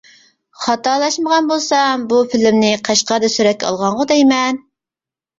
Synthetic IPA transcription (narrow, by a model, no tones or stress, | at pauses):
χɑt̪ɑlˠɑʃməʁɑnbolˠsɑmbufɪlɪmnɪqʰɑʃqɑd̪ɛsyɾɛt̪̚kʲɛɑ̰lˠʁɑɴʁʊd̪ɛjmɛn